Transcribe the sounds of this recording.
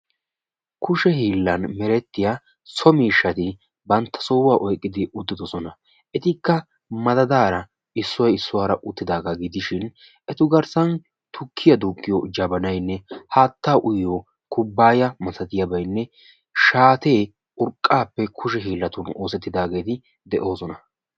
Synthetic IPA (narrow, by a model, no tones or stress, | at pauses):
kʊʃɛɦiːlːɐnmɛɾɛt̪ːɪja | sɔmiːʃːɐt̪ɪ | bɐnt̪ːɐ̥sɔwaːʔɔjkʼːɪd̪ɪʔʊd̪ːɪd̪ɔsɔnɐ | ʔɛt̪ɪkːɐ | mɐd̪ɐd̪aːɾɐ | ɪsːwɔjɪsːʊwaːɾɐʔʊt̪ːɪd̪aːɡaɡɪd̪ɪʃɪn | ʔɛt̪ʊɡɐɾsɐn | t̪ʊkʰːɪjɐd̪uːkʼːɪjɔd͡ʒɐbɐnɐjnːɛhaːt̪ːaːʔʊjjo | kʊbːaːjɐmɐsɐt̪ɪjɐbɐjnːɛ | ʃaːt̪e̞ː | ʔʊɾkʼːaːpːɛkʰʊʃ̬ɛɦiːlːɐt̪ʊno̞ːsɛt̪ːɪd̪aːɡe̞ːt̪ɪ | d̪ɛʔo̞ːsɔnɐ